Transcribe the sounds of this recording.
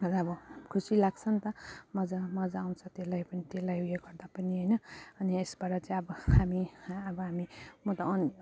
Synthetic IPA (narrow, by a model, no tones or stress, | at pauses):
ʌɾʌbʌkʰusilaɡt͡sʰʌnt̪ʌmʌd͡zamʌd͡zaːwnt͡sʰʌt̪elajpʌnit̪elajujeɡʌɾd̪apʌniɦʌjnʌʌniesbaɾat͡sajʌbʌhamiabʌɦamimʌt̪ʌʌn